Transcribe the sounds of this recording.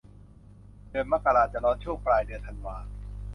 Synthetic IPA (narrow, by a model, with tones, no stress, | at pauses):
dɯː˧ənma˦˥˩kːa˧aː˧t͡ɕa˨ʔlɔː˦˥nt͡ɕʰu˥˩ŋplaː˧jdɯ˧ət̪ʰa˧nwaː˧